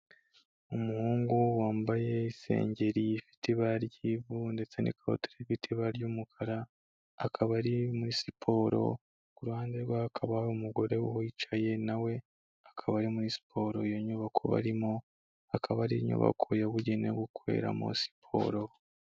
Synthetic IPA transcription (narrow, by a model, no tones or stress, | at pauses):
umuhuːŋɡuwaːmbaje̞ise̞̰ːɲɟe̞ɾifi̥tʰiβaɾɟiβunde̞t͡se̞nḛkao̰tiɾefitʰiβaɾjumukʰaɾaː | kʰaβaɾimuɾisipʰo̞ːɾo̞̰ | kuɾuhaːndeɾɡwaakʰaβaumuɡo̞ɾe̞uhit͡ʃaje̞nawe̞ | ḁkʰaβaɾimuɾisi̥pʰo̞ɾo̞joɲuβakʰo̞̰βa̰ɾimo | akʰaβaɾiɲṵβa̰kʰo̞jaβuɟinḛɡukʰwe̞̰ɾa̰mo̰si̥pʰo̞̰ɾo̞